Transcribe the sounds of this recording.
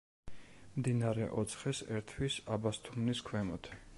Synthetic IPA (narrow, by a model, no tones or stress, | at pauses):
md̪inaɾɛ̰ʔɔt̪sʰχɛsɛɾt̪ʰwisabast̪ʰumniskʰwɛmɔt̪ʰ